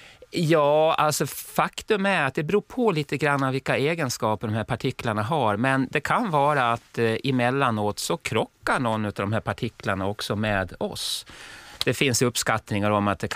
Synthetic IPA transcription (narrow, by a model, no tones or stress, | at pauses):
jɑːa̰lsɔfakt̪ɵmæɾat̪̚d̪ɛbɾuːpʰɔliːt̪əɡɾanːavɪlkaeːɡənskɑːpəɖɔmhæːɾpʰaʈʰɪkːlaɳaɦaɾmɛnd̪ɛkʰanvɑːɾaːt̪ɪmɛlːanoːt̪sɔkʰɾɔkːaɳɔnːʉ̟ːt̪avd̪ɔmɦæːɾpʰaʈʰɪkːlaɳaɔksɔmɛːd̪ɔ̰s | d̪̥ɛfɪnsɵpːskat̪nɪŋaɾɔmat̪̚d̪ɛ